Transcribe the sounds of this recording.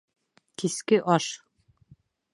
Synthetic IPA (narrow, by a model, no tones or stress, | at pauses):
t̪iskɘʔɒʃ